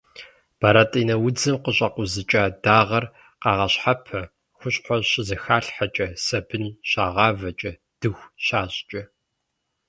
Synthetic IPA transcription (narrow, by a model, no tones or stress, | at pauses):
b̥aɾatʼiːnɐwʊd͡zɨmqəɕʼɐqʷʊzɨt͡ʃʼaːdaːʁɐr | qɑːʁɐɕħapʰɐ | xʷʊɕʼħʷɔɕɪzɐxaːɬħat͡ʃʼɐsɐbɨnɕaːʁɑːvɐt͡ʃʼɐ | d̥ɨxʷɕaːɕʼt͡ʃʼɐ